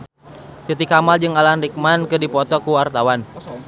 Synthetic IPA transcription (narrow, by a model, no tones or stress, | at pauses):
sit̪ikamald͡ʒɨŋalanrik̚mankɨdipɔt̪ɔkuwart̪awan